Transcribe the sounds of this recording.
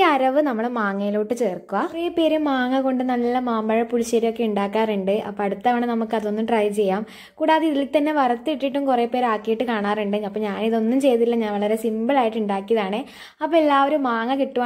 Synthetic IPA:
ɐɾɐʋɨnɐmːɐɭmaːŋːɐjiloːʈːɨt͡ɕe̞ːrkːuʋɐreːpːe̞ːɾumːaːŋːɐko̞ɳɖɨnɐlːɐmaːmbɐɻɐpuɻɕɐɾijo̞kːe̞uɳɖaːkːaːruɳɖɨʔɐ̰pːoɐɽut̪ːaːʋɐɳenɐmukːɐðo̞nːumʈrɐjt͡ɕe̞jːaːm | kuːɽaːðeiðilt̪ɐnːe̞ʋɐrɐt̪ːɨiʈːiʈːumkureːpːeːɾaːkːijiʈːɨkaːɳaːruɳɖɨɐpːoːɲaːniðo̞nːumt͡ɕe̞jt̪ːilːɐɲaːnʋɐɭɐɾe̞simbɨɭaːjiʈːuɳɖaːkːijɐðaːɳɨ | ɐpːoːelːaːʋo̞ɾumːaːŋːɐkiʈːuʋa

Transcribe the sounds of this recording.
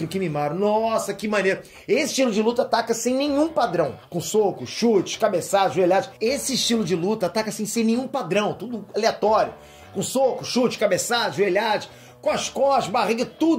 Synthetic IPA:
ɾʊkɪmimaɾʊnɔsɐkɪmɐ̃neɾɐ | esɪ̥ʃt͡ʃilʊd͡ʒɪlut̪ɐat̪akɐsẽj̃nẽj̃ũpad̪ɾɐ̃w̃kõsokʊʃut͡ʃɪ̥ʃkabesad̪ɐʒueʎad̪ɪʃesɪːʃt͡ʃilʊd͡ʒɪlut̪ɐat̪akɐsẽj̃sẽj̃nẽj̃ũpad̪ɾɐ̃w̃t̪ud̪ʊaleat̪ɔɾjʊ̰ | kõsokʊʃut͡ʃɪ̥ʃkabesad̪ɐʒueʎadʊʃ | kõɐʃkɔʃbaʁiɡɐt̪ud̪

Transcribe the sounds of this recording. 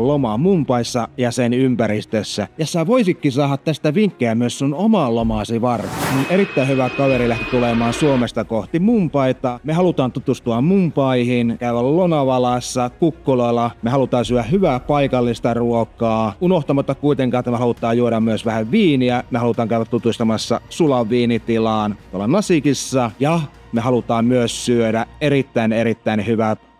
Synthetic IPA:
lomɑmumpɑisːɑjɑsenympærist̪øsːæjɑsi̥t̪æʋoisikːisɑːhɑt̪t̪æst̪æʋiŋkːeæmyøssunomɑllomɑsiʋɑrt̪eninerit̪ːæihyʋækɑʋeɾilæht̪it̪ulemɑːnsuomest̪ɑkoht̪imumpɑit̪ɑmehɑlut̪ɑːnt̪ut̪ust̪uɑmmumpɑihinkæyʋællonɑʋɑlɑsːɑkukːoloilːɑmehɑlut̪ɑːsyøæhyʋæːpɑikɑlːist̪ɑruokɑːunoht̪ɑmɑt̪ːɑkkuit̪eŋkɑːet̪æmæhɑlut̪ːˑɑːjjuoɾɑmmyøsʋæhæʋʋiːniæmehɑlut̪ɑːŋkæyʋæt̪ːut̪ust̪ɑmɑsːɑ̰sulɑʋːiːnit̪ilɑːnt̪uolːɑnɑsikisːɑjɑ | meɦɑlut̪ɑːmmyøssyødæeɾit̪ːæineɾit̪ːæinhyʋæt̪

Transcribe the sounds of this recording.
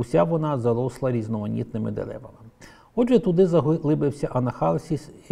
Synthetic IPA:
usʲaʋɔnɑzɐɾɔslˠɐɾʲiznɔmɔnʲḭt̪nɪmɪ̰d̪ḛlˠɛ̰ʋɐmɪ | ɔdʒɛt̪ʊd̪ɪzɐlˠɪbɪwsʲɐʔɐnɐxɑlˠsʲis

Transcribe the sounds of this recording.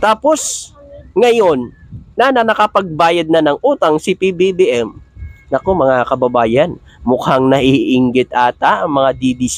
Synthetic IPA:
t̪aːpo̞s | ŋɐjo̞nːɐnɐnɐkɐpɐɡ̚baːjɐd̪̚nɐnɐŋʔuːt̪ɐŋsipibibiʔɛmnɐko̞mɐŋakɐbɐbaːjɐn | mʊkaŋnɐʔiʔɪŋɡɪt̪̚ʔaːt̪aʔɐŋmɐŋad̪id̪is

